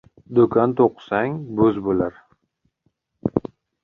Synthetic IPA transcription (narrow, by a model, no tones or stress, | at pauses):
d̪okʰant̪ʰoqʰɨ̥saŋbɵzbolaɾ